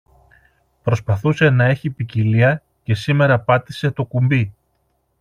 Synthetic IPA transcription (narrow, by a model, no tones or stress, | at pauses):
pɾo̞spɐθuse̞nɐe̞çipiciliɐ | ce̞sime̞ɾɐpɐt̪ise̞t̪o̞kumbi